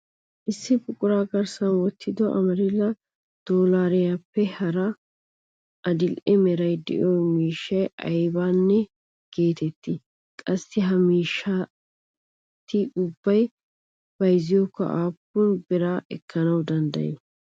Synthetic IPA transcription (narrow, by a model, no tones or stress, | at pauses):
ʔɪsːɪbʼʊkʼʊɾaːɡɐɾsɐnwɔt̪ʰːɪd̪ɔʔɐ̰mɐɾɪlɐ | d̪̥oːlaːɾɛjapːɛhɐɾɐ | ʔɐd̪ɪlʔɛmɛɾɐjd̪ɛ̰joːmiːʃːɐjɐ̰jbaːnːɛ | ɡ̥e̞ːt̪ɛt̪ːɪ | kʼɐsːɪɦɐmiːʃːa | t̪ːɪʊbːɐj | bɐjzɪjokːɐ̰ʔaːpːʊnbɪɾaːʔɛkʰːɐnɐwd̪ɐnd̪ɐ̰jɛ̰